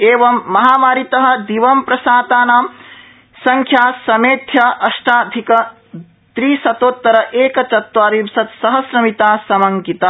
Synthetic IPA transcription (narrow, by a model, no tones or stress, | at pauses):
eːʋɐmːɐɦaːmaːɾit̪ɐɦɐ̆d̪iʋɐmpɾɐsaːt̪aːnaːm | sɐŋkʰjaːsɐmeːt̪ʰjɐʔɐʃʈaːd̪ʱikɐ | d̪̥ɾiːsɐt̪oːt̪ːɐɾɐʔeːkɐt͡ʃɐt̪ʋaːɾibsɐt̪sɐɦɐsɾɐmit̪aːsɐmɐŋɡit̪ɐ